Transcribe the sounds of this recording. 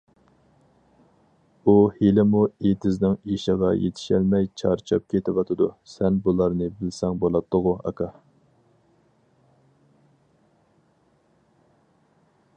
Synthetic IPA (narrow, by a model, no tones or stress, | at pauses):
uhelɪmuet̪ʰɪznɪŋiʃəʁɑjḛt̪ʰɪ̥ʃæ̰lmɛjt͡ʃʰɑɾt͡ʃʰɑp̚kʲʰet̪ʰɪwɑt̪ʰɨd̪usɛnbulˠɑɾnɨbɪlsɛŋbolˠɑt̪ːʊʁʊɑ̰kʰɑ